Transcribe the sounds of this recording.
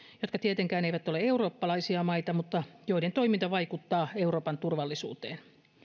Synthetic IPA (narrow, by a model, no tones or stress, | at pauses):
jot̪kɑt̪iet̪eŋkæːneiʋæt̪ːo̞leeuroːpːɑlɑisiɑmɑit̪ɑmut̪ːɑjoident̪oimint̪ɑʋɑikut̪ːɑːeuɾoːpɑnt̪urʋɑlːisṵːt̪eːn